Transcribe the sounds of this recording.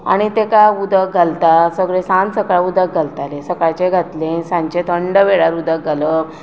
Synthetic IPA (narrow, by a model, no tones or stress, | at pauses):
a̰ɽ̃it̪ekaud̪ʱək̚ɡʱalt̪asəɡɭẽsãnsəkɭaud̪ʱək̚ɡʱalt̪alesəkat͡ɕeɡʱat̪lẽsãɲt͡ɕẽt̪ʰəɳɖəʋeɭaɾud̪ʱəkɡalə